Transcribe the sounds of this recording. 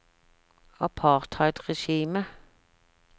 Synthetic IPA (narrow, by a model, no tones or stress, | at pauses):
ɑpʰɑːʁt̪hɑɪt̪ʁɛʃiːmə